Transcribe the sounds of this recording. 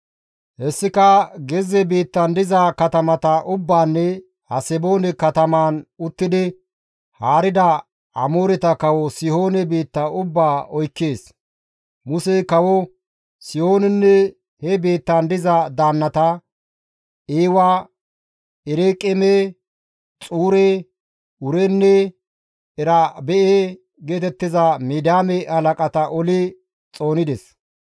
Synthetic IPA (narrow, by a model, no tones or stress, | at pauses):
hɛsːɪkɐɡɛzɛbeːt̪ːɐnd̪ɪzɐkɐt̪ɐmɐt̪ɐʔʊbːaːnːɛ | hɐsɛbo̞ːnɛkɐt̪ɐmaːnʊt̪ːɪd̪ɪ | haːɾɪd̪ɐ | ɐ̰mo̞ːɾɛt̪ɐkɐwɔsɪho̞ːnɛbe̞ːt̪ːɐʊbːaːɔjkːeːs | mʊsɛkɐwɔ | sɪho̞ːnɛnːɛ | hɛbe̞ːt̪ːand̪ɪzɐd̪aːnːɐt̪ɐ | eːwa | ɛɾekʼɛme | t͡sʼuːɾe | ʊɾɛnːɛ | ɛɾɐbɛʔe | ɡeːt̪ɛt̪ːɪzɐmeːd̪aːmɛʔɐlɐkʼɐt̪ɐʔɔlɪ | t͡sʼo̞ːnɪd̪ɛs